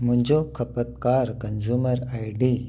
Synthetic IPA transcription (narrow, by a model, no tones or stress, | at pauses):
m̤ʊ̃ɲd͡ʑokʰɐpət̪kaːɾkənzuməɾajɖi